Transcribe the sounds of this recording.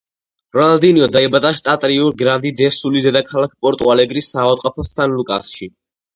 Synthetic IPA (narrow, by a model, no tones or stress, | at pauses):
ɾɔad̪iniɔd̪aɛbat̪ʼaʃt̪ʼat̪ʼɾiuɾɡɾand̪id̪ɛsulizɛd̪akʰalak̚ʰpʼɔɾt̪ʼualɛɡɾisːavat̪ʼqʼɔpʰɔst̪ʰanlukʼa̰sʃi